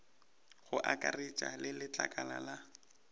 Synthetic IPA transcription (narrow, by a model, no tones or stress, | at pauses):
ɣʊʔakʼarɪt͡ʃʼa̰lɪlɪt͡ɬʼakʼalala